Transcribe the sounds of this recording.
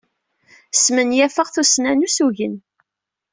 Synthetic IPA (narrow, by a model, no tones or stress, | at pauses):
smənjæfəʁθusnænusuʝən